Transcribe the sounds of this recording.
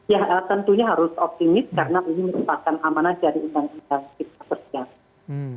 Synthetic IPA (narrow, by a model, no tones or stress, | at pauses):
jahət̪ənt̪uɲaɦaɾʊsɔp̚t̪imɪst̪̚kaɾənaʔuliməɾubakanʔamanadaɾiundaŋundaŋkit̪̚ḁbərdia